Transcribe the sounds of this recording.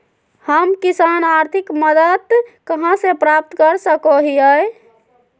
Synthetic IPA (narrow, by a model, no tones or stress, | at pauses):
həmkisanaɾt̪ʰikməd̪əd̪kəɦãsepɾap̚t̪kəɾsəkoɦiəe